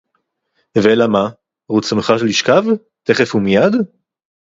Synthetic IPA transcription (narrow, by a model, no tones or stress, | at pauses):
veelama | ʁut͡smeχaʃliʃkav | t̪e̞χefhumijad̪